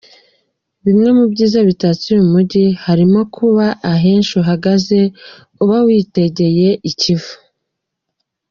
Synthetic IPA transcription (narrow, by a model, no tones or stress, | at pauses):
βimŋe̞mubɟiːzaβitatumumuɟihaɾimo̞kʰuβaʔaɦe̞ːnʃuɦaɡaze̞ | uβawiːte̞ɟe̞je̞ʔicivu̥